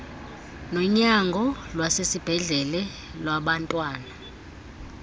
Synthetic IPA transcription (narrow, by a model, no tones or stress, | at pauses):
nɔɲaŋɡʱɔlwasesib̥ʱɛɮɛlɛ | lwaɓantʼwaːna